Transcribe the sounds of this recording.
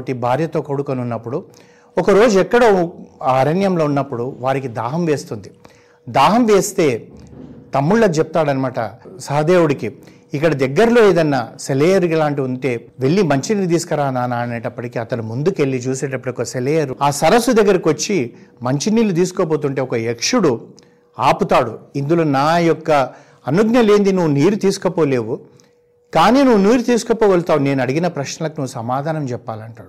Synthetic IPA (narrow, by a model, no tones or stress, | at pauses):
ʈibʱaːɾjɐt̪o̞ːkɐɽukoniunːɐpːuɽu | ɔkɐɾo̞ːd͡ʒuɛkːɐɽoːaɐɾɐnjɐmlo̞ːunːɐpːuɽuʋaːɾikid̪aːɦɐmʋe̞ːst̪und̪i | d̪aːɦɐmʋe̞ːst̪e̞ː | t̪ɐmːuɭːɐkut͡ʃɛp̚t̪aːɽɐnimaːʈɐsɐɦɐd̪e̞ːwuɽiki | ikːɐɽɐd̪ɛɡːɐɾlo̞ːeːd̪ɐnːɐseleːjɐɾukilaːɳʈiunt̪e̞ːʋe̞ɭːimɐɲt͡ʃiniːlut̪̬iːsu̥kɐɾaːnaːnaːneːʈɐpːɐʈikiːɐt̪ɐnumund̪uke̞ɭːit͡ʃuːseːʈɐpːɐɽiɔkːkɐseleːjɐɾaːsɐɾɐsːud̪ɐɡːɐɾɐkiʋot͡ʃːimɐɲt͡ʃiniːlut̪̬iːsukoːboːt̪̬uɳʈe̞ːɔkɐekʂuɽu | aːput̪aːɽuind̪ulo̞ːnaːjɔkːɐ | ɐnuɡnɐle̞ːnd̪inuʋuniːɾut̪iːsu̥kɐpoːle̞ːʋu | kaːniːnuʋuniːɾut̪iːsu̥kɐpoːɡɐlt̪aːʋune̞ːnɐɽiɡinɐpɾɐʃnɐlɐkunuʋusɐmaːd̪ʱaːnɐmt͡ʃɛpːaːlɐɳʈaːɽu